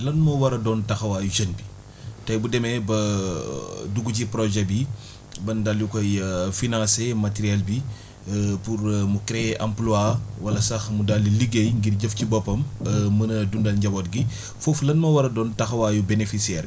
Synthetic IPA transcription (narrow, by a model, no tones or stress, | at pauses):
lɐnmɐwɐɾɐdɔːntɐxɐwaːjuʃənbi | tɐjbudɛmɛbɐ | duɡuc̬ipɾɔʒɛbi | bɐndaljukɔjəfinãsemɐteɾiɛlbi | purmukɾɛʔɐ̰mpluaːwɐlɐsɐxmudalːiliɡejŋɡirɟəfcibɔpːɐməmɐnɐdundɐlɲɟɐbɔːt̚ɡi | foflɐnmɐwɐɾɐdɔːntɐxɐwaːjubenefisiɛːr